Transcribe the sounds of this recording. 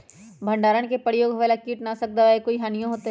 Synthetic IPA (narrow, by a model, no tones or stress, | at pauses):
bʱə̃ɳɖaːɾəɽ̃kepəɾɪjoːɡʱʋɛːlakiːʈnasɐk̚d̪aaekoːiɦaːnijõɦoːt̪e